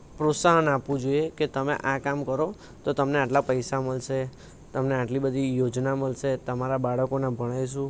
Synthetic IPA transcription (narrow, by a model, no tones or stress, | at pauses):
pɾot̪saɦənapʋũd͡ʒoieket̪əmḛʔãkamkəɾo | t̪ot̪əmneaʈlapəjsaməlʃe | t̪əmneaʈlibəd̪ʱijod͡ʒnaməlʃet̪əmaɾabaɽəkonabʱəɽ̃ajʃ̬ũ